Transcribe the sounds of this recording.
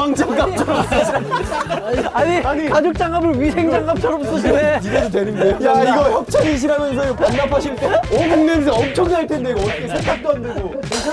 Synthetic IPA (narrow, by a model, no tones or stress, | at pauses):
aŋd͡ʑaŋɡap̚t͡ɕʰʌɾʌs͈ʌɕʰiɾam | aɲiaɲikad͡ʑok̚t͡ɕ͈aŋɡabɯɭɥisʰeŋd͡ʑaŋɡap̚t͡ɕ͈ʰʌɾʌms͈ʌɕʰieniɡadotwe̞nɯnɡejojaiɡʌçjʌp̚t͡ɕʰaniɕ̬ʰiɾamjʌns̬ʰʌjopandapʰaɕʰiɭt͈e̞oɡuŋnes̬ʰʌʌnt͡ɕʰʌŋdeaɭtʰendejoʌtʰkʰesʰeŋɡak̚t͈oɦandeɡo